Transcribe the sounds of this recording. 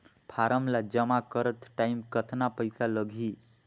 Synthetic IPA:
pʰaɾəmlad͡ʒəmakəɾət̪ʰʈaimkət̪ʰnapəɪsaləɡʱi

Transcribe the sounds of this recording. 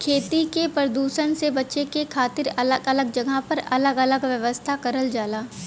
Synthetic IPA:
kʰeːt̪ikepɾəd̪uːʃəɽ̃sebɐtːʃekekʰaːt̪ɪɾɐləɡɐləɡ̚d͡ʒɐɡʱapɐɾɐləɡələɡʋjəʋəst̪ʰakɐɾəld͡ʒaːlaː

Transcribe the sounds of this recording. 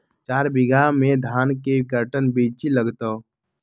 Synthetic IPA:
t͡ʃaːɾbɪɡʱamẽd̪ʱaːnkekəɾʈənbiːt͡ʃiləɡt̪o

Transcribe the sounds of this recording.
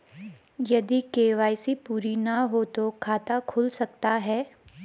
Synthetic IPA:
jɐd̪ikeːʋaːɪsipuːɾinaɦot̪okʰaːt̪akʰʊlsɐkt̪aɦɛː

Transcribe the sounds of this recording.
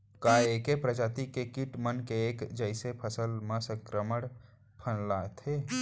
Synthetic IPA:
kaeːkepɾəd͡ʒaːt̪ikekiʈmənkeeːkd͡ʒəɪsepʰəsəlmãsə̃ŋkɾəməɽ | pʰənlat̪ʰeː

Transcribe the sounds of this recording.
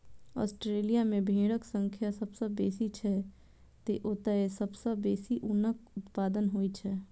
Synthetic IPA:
ɔ̰ːsʈɾeːlijamẽbʱẽːɽəksə̃ŋkʰjasɐbsəbːeːsit͡ʃʰɛ | t̪eʔot̪əesɐbsəbːeːsiʔʊnəkʊt̪paːd̪ənɦoit͡ʃʰɛː

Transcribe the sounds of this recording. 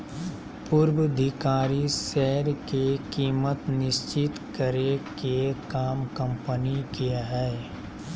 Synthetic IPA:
pʊɾwəd̪ʱɪkaːɾisɛɦəɾkekiːmət̪nɪst͡ʃɪt̪kəɾekekaːmkə̃mpənikeaɦɛː

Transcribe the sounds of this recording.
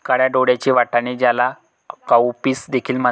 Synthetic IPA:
kaɽjaɖoɽjat͡ɕiːʋaʈaɽñid͡ʑjala | kawpiːsd̪ekʰiːlma

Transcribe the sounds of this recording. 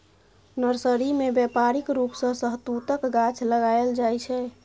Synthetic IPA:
nəɾsəɾimebjɛpaɾikɾupsə̃səɦt̪ut̪əkɡat͡ʃʰləɡajld͡ʒajt͡ʃʰɛ

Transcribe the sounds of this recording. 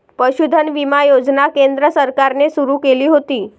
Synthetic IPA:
pəɕud̪ʱənʋimajod͡znakend̪ɾəsəɾkaɾnesuɾuːkeliːɦot̪iː

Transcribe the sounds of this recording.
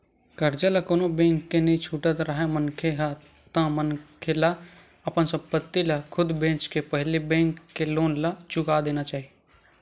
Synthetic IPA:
kəɾd͡ʒələkoːnobẽːŋkːenĩt͡ʃʰuːʈət̪ɾəɦɛmənkʰeɦ | t̪ə̃mənkʰela | ɐpənsə̃pət̪ːilakʰʊd̪bẽːt͡ʃkepəɦlibẽːŋkːeloːnlat͡ʃʊkad̪eːnat͡ʃaːɦi

